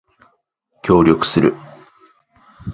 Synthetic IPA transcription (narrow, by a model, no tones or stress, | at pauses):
kʲo̞ːɾʲo̞kɯ̟̥sɨɾɯ̟